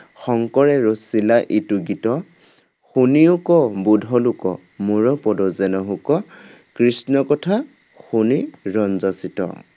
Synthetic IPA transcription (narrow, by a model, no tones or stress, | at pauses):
xɔŋkɔɹɛɹosilaʔituɡitɔ | xuniukɔbudʱɔlʊkɔ̰ | muɹɔpɔdɔzɛnɔɦukɔ | kɹisnɔkɔtʰa | xuniɹɔnzasitɔ̰